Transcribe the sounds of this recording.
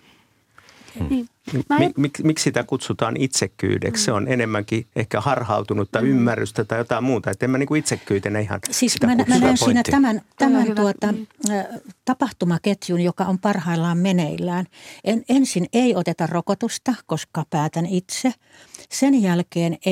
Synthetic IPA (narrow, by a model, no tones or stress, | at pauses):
mmikmikssit̪ækut̪sut̪ɑːnit̪sekːy̰ːdḛksseonenemːæŋkiehkæhɑrhɑ̰ut̪unut̪t̪ːɑiymːærːyst̪æt̪ɑijot̪ɑimmuːt̪ɑet̪ːemːæniːŋkuit̪sekːyːt̪enːæihɑ̰nsist̪mænmænæːnsiːnæt̪æmænt̪æmænt̪uot̪ɑ | t̪ɑpɑht̪umɑket̪junjokɑompɑrhɑilːɑːmmeneilːæːnʔenensineiot̪et̪ɑrrokot̪ust̪ɑkoskɑpæːt̪ænit̪se | senjælkeːne